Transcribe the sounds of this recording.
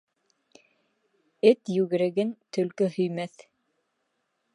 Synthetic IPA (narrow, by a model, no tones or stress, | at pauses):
ɘt̪jʉɣɘ̆ɾɘ̆ɡɘnt̪ɵ̆lkɘhɵ̆jmæθ